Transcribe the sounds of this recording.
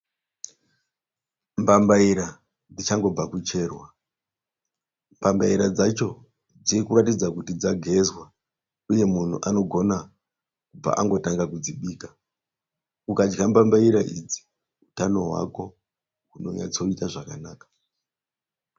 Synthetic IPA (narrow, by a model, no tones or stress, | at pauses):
mbambaiɾa | d͡zit͡ʃaŋɡo̞b͡vakut͡ʃe̞rwa | mbambaiɾad͡zat͡ʃo̞ | d͡ziikuratid͡zakutid͡zaɡʱe̞zwa | uje̞mun̤ṵʔano̞ɡʱo̞na | kub͡va̰ʔaŋɡo̞taŋɡakud͡ziɓiːkḁ | ukad͡ʒɡambambaiɾaʔid͡zi̥ | utano̞ɦwa̰ko̞ | uno̞̰ɲa̰t͡so̞itaʐakanaːkḁ